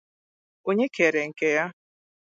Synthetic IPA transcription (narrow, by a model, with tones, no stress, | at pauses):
o˦ɲe˦ke˨ɾe˨ŋ̩˨ke˨ja˦